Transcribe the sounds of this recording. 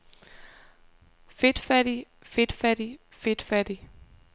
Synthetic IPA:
fe̝d̥fæɾ̥i | fe̝d̥fæɾ̥i | fe̝d̥fæd̥i

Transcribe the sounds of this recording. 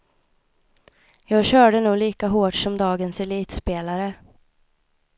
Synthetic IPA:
jɑːɡɕœːɖənuːɡliːkaɦoːʈʂɔmd̪ɑːɡənsɛliːt̪speːlaɾə

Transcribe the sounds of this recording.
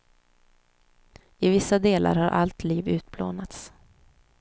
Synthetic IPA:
ɪvɪsːad̪eːla̰ɾhaɾʔa̰lt̪liːvʉ̟ːt̪̚blo̰ːnat̪s

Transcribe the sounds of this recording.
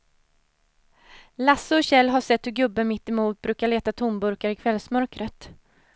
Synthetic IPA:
lasːəɔɕɛlːɦaʂɛt̪ːhɵɡɵbːəmɪt̪ːɛmuːt̪̚bɾʉ̟ːkaɭeːt̪at̪ʰʊmbɵɾkaɾɪkʰvɛlsmœɾkɾət̪

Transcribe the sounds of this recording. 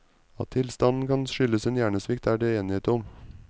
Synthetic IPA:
ɑ̰t̪ʰːɪlst̪ɑnn̩kʰɑnʃʏləseːnjæːɳəsʋɪkt̪ʰæːɖeːeːnɪeːt̪əɔm

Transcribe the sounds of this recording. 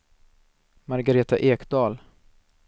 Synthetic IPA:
maɾɡaɾeːt̪aʔeːkd̪ɑːl

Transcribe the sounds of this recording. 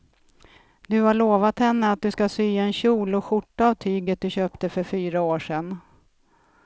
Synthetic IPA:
d̪ɵhaɭoːvat̪hɛnːəat̪̚d̪ɵskasyːɛnɕuːlɔɧʊʈːaːvt̪ʰyːɡət̪̚d̪ɵɕøːpt̪əfœɾfyːɾaoːʂɛn

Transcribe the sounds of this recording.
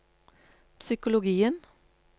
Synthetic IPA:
psʏkʊlʊɡiːən

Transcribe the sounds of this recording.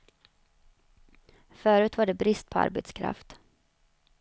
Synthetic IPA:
fœːɾʉ̟ːt̪vaɖɛbɾɪst̪̚pʰɔa̰ɾbɛt̪skʰɾa̰ft̪

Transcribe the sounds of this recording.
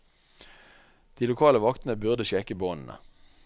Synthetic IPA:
d̪̥iːlʊkʰɑːləʋɑkt̪n̩əbʉʁd̪əʃɛkəboːnn̩ə̰

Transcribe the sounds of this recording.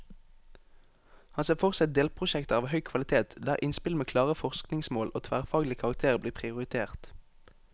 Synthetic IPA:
hɑnseːfɔʁsɛt̪̚d̪eːlpʰʁʊʃɛkt̪əɑːʋhœʏkʰʋɑlɪt̪ʰeːt̪d̪æ̰ːʁʔɪnspɪlmeːkʰlɑːʁəfɔʁsknɪŋsmoːlʔo̰ːt̪ʰʋæːʁfɑːɡlɪəkʰɑʁɑk̚t̪ʰeːʁəbliːpʰʁɪʊʁɪt̪ʰeːʁt̪

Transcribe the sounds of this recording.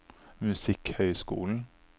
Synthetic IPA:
mʉsɪkhœʏskṵːln̩

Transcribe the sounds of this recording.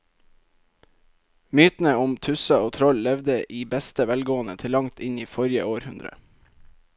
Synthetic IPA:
myːt̪n̩əʊmt̪ʰʉsɑoːt̪ʰɾɔllɛʋd̪əʔiːbæst̪əʋælɡoːənə̰t̪ʰɪlɑŋt̪ʰɪniːfɔɾjə̰oːɾhʉnd̪ɾə̰

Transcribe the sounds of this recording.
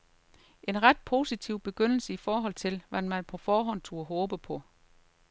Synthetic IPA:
ʔe̝nʁɑd̥̚pʰo̝ːsit͡sʰiʊ̰b̥e̝ɡ̥øn̰l̩səifɒːɦɒ̽l̰t͡sʰe̝lʋænmænpʰɒ̽fɒːɦɒ̽n̰t͡sʰo̝ːɒɦɔːb̥əpʰɒ̽

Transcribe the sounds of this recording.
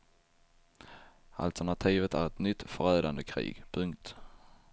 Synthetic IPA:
a̰lt̪æɳat̪ʰiːvət̪æɾɛt̪nʏt̪ːfœɾœːd̪and̪əkʰɾḭːɡpʰɵŋkt̪

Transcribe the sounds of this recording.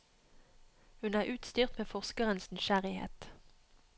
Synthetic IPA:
hʉnæːʁʔʉːt̪st̪yːʁt̪meːfɔʁskəʁənsnɪʃæʁɪhḛːt̪

